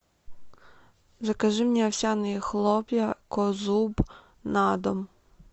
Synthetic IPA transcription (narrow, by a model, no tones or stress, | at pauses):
ʒɛkɐʒɪmnʲɛɔwsʲanɪjixlˠɔpʲjɐkɔzub | nɑd̪ɔm